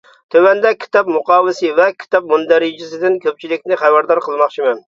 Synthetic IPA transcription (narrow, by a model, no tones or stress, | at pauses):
t̪ʰøwɛnd̪ɛkʲʰi̥t̪ɑp̚mʊqɑːwɨsɨvɛkʲʰi̥t̪ɑp̚mund̪ɛɾɪd͡ʒɪsɪd̪ɪnkʲʰøp̚t͡ʃʰilɪkʲnɪχæbæɾd̪ɑɾqʰəlˠmɑχt͡ʃʰimɛn